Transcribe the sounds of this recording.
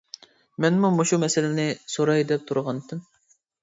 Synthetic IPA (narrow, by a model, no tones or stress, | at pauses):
mɛnmumoʃumɛsɪlɪnɪsoɾɑjd̪ɛp̚t̪ʰuɾʁɑnt̪ʰːɨm